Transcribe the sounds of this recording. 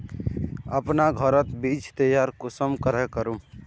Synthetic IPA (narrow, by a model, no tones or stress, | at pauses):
ə̰pnaɡʱəɾət̪bid͡ʒʰt̪əjaɾkusəmkəɾɛkəɾu